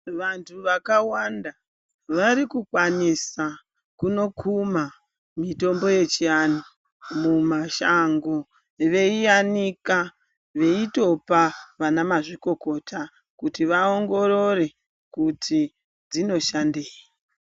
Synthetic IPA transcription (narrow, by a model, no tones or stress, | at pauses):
ʋantʰuʋakawanda | ʋaɾikukwanisa | kuno̞kʰuma | mito̞mbo̞je̞t͡ʃiano | mumaʃaŋɡo̞ | ʋe̞ijanika | ʋe̞ito̞paʋanamaʐiko̞ko̞tʰa | kutiʋao̞ŋɡo̞ɾo̞re̞ | kutʰi | d͡zino̞ʃandeːji